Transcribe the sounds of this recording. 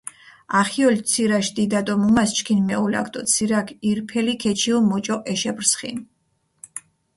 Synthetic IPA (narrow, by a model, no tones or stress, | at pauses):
aχiɔlt̪sʰiɾaʃd̪id̪at̪ʼɔmumast͡ʃʰkʰinmɛula̰kʰt̪ʼɔt̪sʰiɾakʰiɾpʰɛlikʰɛt͡ʃʰilmɔt͡ʃʼɔʔɛʃɛbɾsχḭn